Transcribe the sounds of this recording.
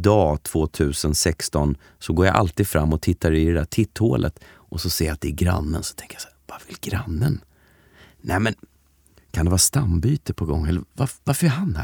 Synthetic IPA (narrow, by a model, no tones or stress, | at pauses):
d̪ɑːt̪ʰv̥oːt̪ʰʉ̟ːsənsɛkst̪ɔn | sɔɡoːɾja̰ʔa̰lt̪iːd̪fɾʔamːɔt̪ʰɪt̪ʰːaɾɛɪɾɛd̪æːʈʰɪt̪ːho̰ːlʔə̰t̪ | ʔɔsɔseːjat̪̚d̪ɛːɡɾa̰nːənsɔ̥t̪ʰɛŋkəjasæːvavɪlɡɾa̰nːən | nʔɛmɛn | kʰand̪ɛvɑːɾast̪ambyːt̪əpʰɔɡɔ̰ŋːɛlːəvavaɾfəɾɛɦanhæ̰